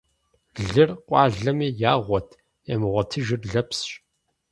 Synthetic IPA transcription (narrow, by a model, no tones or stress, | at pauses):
ɮɨrqʷʼɑːɮɐmiːjaːʁʷɔtʰ | eːmɨʁʷɐtʰɨʒɪrɮɐpsɕ